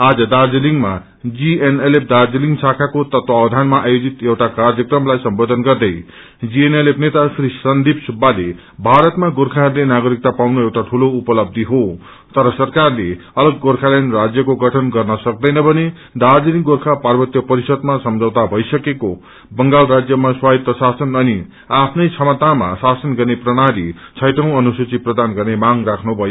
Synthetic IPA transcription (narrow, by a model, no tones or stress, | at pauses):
ad͡zʌd̪ard͡ziliŋɡma | d͡zienelep̚ʰd̪ard͡ziliŋɡsakʰakot̪ʌt̪wawd̪ʱanmaʔajod͡zit̪ewʈakard͡zjʌkrʌmlajsʌmbod̪ʱʌnɡʌrd̪ʌj | d͡zienelepʰnet̪asrisʌnd̪ʱibsubːale | bʱaɾʌt̪maɡorkʰaɦʌɾlenaɡʌɾik̚t̪apawnoewʈaʈʰuloupʌlʌb̚d̪ʱiɦo | t̪ʌɾʌsʌrkarleʌlʌɡːorkʰalenrad͡zjʌkoɡʌʈʰʌnɡʌrnʌsʌk̚d̪ʌjnʌbʱʌne | d̪ad͡ziniɡorkʰaparbʌt̪jʌpʌɾisʌd̪masʌmd͡zʌwt̪abʱʌjsʌkeko | bʌŋɡalrad͡zjʌmaswait̪ːʌsasʌnʌni | apʰnʌjt͡sʰʌmʌt̪ama̰sasʌnɡʌrneprʌnaɾit͡sʰʌjʈʌ̃w̃ʌnusut͡siprʌd̪anɡʌrnemaŋrakʰnubʱʌjo